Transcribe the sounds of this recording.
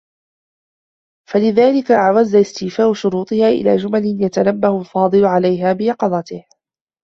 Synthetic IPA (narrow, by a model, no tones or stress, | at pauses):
falɪðaːlɪkaʔaʕwazːaʔɪst̪ɪːfaːʔʊʃʊɾuːt̪ˤɨhaːʔɪ̰laːd͡ʒʊmalɪnjat̪anabːahʊlfɑːd̪ˤɨlʊʕalajɦaːbɪjɑqɑd̪ˤɑt̪ɪh